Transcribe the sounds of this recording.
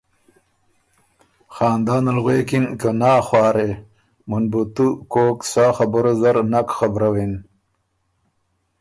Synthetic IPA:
xaːnd̪aːnɐlɣweːkinkənaːxwɑːɾe | munbut̪ukoːksaːxabəɾozɐɾnakxabɾawin

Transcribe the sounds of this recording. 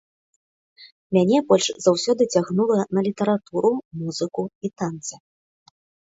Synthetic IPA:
mʲanʲɛbɔlʲʂzawsʲɔd̪ɨt͡sʲaɣnulˠɐnɐlʲit̪ɐɾat̪uɾumuzɨkuit̪ant̪sɨ

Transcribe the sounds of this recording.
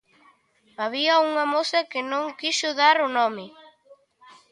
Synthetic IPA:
aβiɐuŋamosɐkɪnõŋkiʃʊðaɾʊnɔmɪ

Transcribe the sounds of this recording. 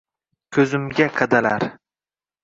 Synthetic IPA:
kʲʰɵzɪmɡʲaqʰɑd̪ala̰ɾ

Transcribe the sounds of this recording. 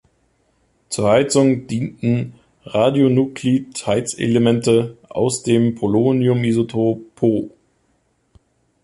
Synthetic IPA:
t͡suːɐhaɪt͡sʊŋd̥iːntn̩ | ʁaːdjonukʰlithaɪt͡sḛləmɛntəʔa̰ʊsd̥eːmpʰoloːnjʊmizotʰoːpʰoː

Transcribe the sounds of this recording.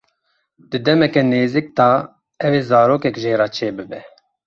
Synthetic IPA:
d̪ɨd̪ɛmɛkɛneːzik̚t̪ɑː | ɛveːzɑːɾoːkɛkʒeːɾɑːt͡ʃʰeːbɨbɛ

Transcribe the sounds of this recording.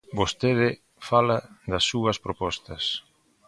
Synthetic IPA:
bost̪eðɪ | falɐðɐsːuɐspɾopɔst̪ɐs

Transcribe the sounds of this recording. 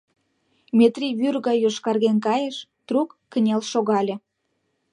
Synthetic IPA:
mʲet̪rʲiβyrɣɑjoʃkɑrɣenkɑjə̆ʃt̪rukːənʲɑlʃoɣɑlʲĕ

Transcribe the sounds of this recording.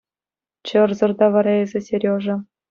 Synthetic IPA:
t͡ɕɤ̆rzɤ̆rd̪ɑʋɑɾɑezʲĕsʲerʲjoʐɤ̆

